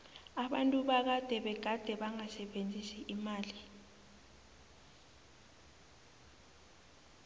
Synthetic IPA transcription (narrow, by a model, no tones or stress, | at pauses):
aɓantʼuɓak̬ad̥ʱɛɓɛɡ̥ʱad̥ʱɛɓaŋasɛɓend͡zʱisiʔimaːli